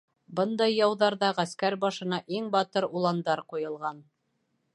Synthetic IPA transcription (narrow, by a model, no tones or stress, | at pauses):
bɤnd̪ɑjːɑwðɑɾðɑʁæskæɾbɑʃɤ̆nɑʔiŋbɑt̪ɤɾulˠɑnd̪ɑɾqujɤ̆lˠʁɑn